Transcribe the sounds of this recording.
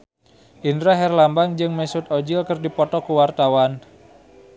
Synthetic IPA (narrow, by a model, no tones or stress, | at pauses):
ʔindɾaɦɛrlambaŋd͡ʒɨŋmɛsʊt̪od͡ʒɪlkərdipɔt̪ɔkuwart̪awan